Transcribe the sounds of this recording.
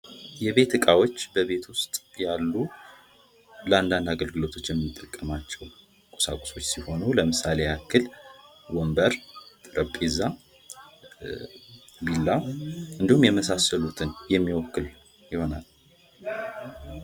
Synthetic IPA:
jɛβe̞t̪ɨkʼawo̞t͡ʃːbəβe̞t̪wʊst̪ʼjalːu | ləand̪and̪aɡəlɡɨlo̞t̪ʰo̞t͡ʃːjɛmːɨt̪ʼːəkʼːəmat͡ʃːɛw | kʼo̥sa̰kʷʼo̥so̞t͡ʃːsiho̞nuləmɨsale̞akːɨlwɔmbəɾt̪ʼɾəpʼːeza | bilːaɨnd̪ihumjɛməsasəlut̪ʰɨnjɛmːiwɔkːɨl | jɪho̞nal

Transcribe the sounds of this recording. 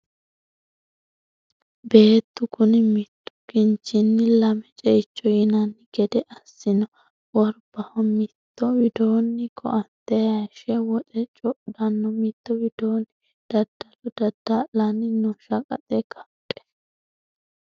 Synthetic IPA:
be̞ːt̪ːʊkʊnɪmɪt̪ːʊ̥kɪnt͡ʃːɪnːɪlɐmɛt͡ʃʼɛɪt͡ʃːɔjɪnɐnːɪɡɛd̪ɛʔɐsːɪnɔ | wɔɾbɐhɔmɪt̪ːɔwɪd̪oːnːɪkʰɔʔɐnt̪ːɛjɐʃɛwɔtʼɛt͡ʃʼɔʔdɐnːɔmɪt̪ːɔwɪd̪oːnːɪ | d̪̥ɐd̪ːɐlɔd̪ɐd̪ːɐlɐnːɪnɔʃɐkʼɐ̰t̪ʼɛkʰɐpʼːɛ̥

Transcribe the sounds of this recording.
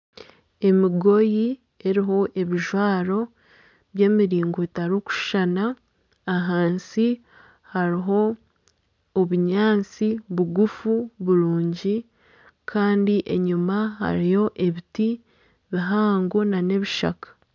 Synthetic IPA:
e̞miɡo̞ji | e̞ɾiɦo̞ʔe̞βiʒwaːɾo̞ | βje̞ːmiɾiːŋɡoetaɾuku̥ʃanaː | ɦaːnsi | haɾiɦo̞ | βuɲaːnt͡siβuɡufuβuɾuːɲɟi | kʰaːndiʔe̞ɲumaɦa̰ɾijo̞ʔe̞βiti | βiɦaːŋɡonane̞βiʃa̰kḁ

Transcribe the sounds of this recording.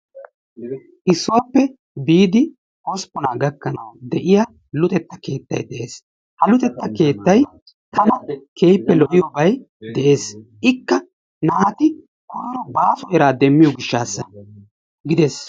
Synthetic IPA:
ʔɪsːʊwapːɛ | biːd̪ɪ | ʔɔspɔnaːɡɐkːɐnɐ̰wd̪ɛʔɪja | lʊt̪ʼɛt̪ːɐ̥ke̞ːt̪ːɐ̰jd̪ɛʔeːs | hɐlʊt̪ʼɛt̪ːɐke̞ːt̪ːɐj | t̪ɐmɐkeːjpːɛlɔʔɪjɔbɐj | d̪ɛʔe̞ːsʔɪkːɐ | naːt̪ɪ | ɔːɾɔbaːsɔjɛɾaːd̪ɛmːɪjɔɡɪʃːaːsːɐ | ɡɪd̪ɛs

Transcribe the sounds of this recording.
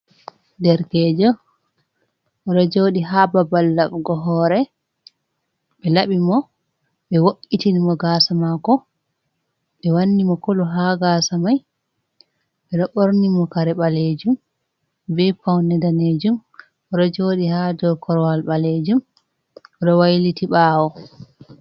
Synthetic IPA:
dɛɾkɛd͡ʒɔ | ʔɔɗɔd͡ʒoɗiɦaːbabalːaɓɡɔɦɔɾɛ | ɓɛlaɓimɔ | ɓɛwoʔitinimɔɡaːsamakɔ | ɓɛwanːimɔkɔlɔɦaɡasamaj | ɓɛɗɔʔoɾnimɔkaɾɛɓaled͡ʒum | bɛpawnɛdaned͡ʒum | ɔɾɔd͡ʒoːɗihadɔkʰɔɾɔwalɓaled͡ʒum | ɗɔwajlitiɓaːwɔ

